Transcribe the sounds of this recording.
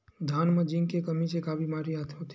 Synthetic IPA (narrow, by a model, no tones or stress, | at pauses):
d̪ʱaːnməd͡ʒĩŋkekəmit͡ʃekaːʋimaːɾiat̪ʰot̪ʰ